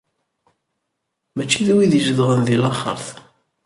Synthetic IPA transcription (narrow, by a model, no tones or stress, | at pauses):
mæt͡ʃːiðæwiðəʒəðʁənðilɑχə̰ɾˤθ